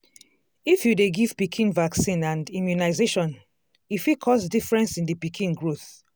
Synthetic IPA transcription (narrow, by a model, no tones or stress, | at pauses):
ifjudeɡiv̥pikʰĩnvaksĩnãndimjunaɪzeʃɔ̃n | ifikʰɔsdifɹɛ̃nsĩndipikʰĩnɡɹoθ